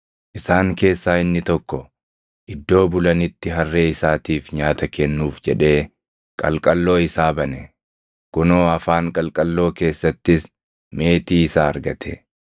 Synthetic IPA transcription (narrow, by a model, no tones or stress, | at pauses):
ʔɪsaːŋke̞ːsːaːɪnːɪt̪ɔkːɔ | ʔɪd̪ːo̞ːbʊlɐnɪt̪ːɪɦɐrːe̞ːɪsaːt̪iːfɲaːt̪ɐkɛnːuːfd͡ʒɛᶑe̞ː | kʼɐ̰lkʼɐlːo̞ːɪsaːbɐnɛ | kʊno̞ːɐfaːŋkʼɐlkʼɐlːo̞ːke̞ːsːɐt̪ːɪs | me̞ːt̪iːɪsaːɐɾɡɐt̪ʰɛ̰